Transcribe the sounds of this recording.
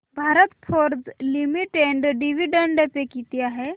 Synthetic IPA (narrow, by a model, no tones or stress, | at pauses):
bʱaːɾət̪pʰoɾd͡ʒlimiʈeɳɖɖiʋiɖəɳɖepekit̪ijaɦɛ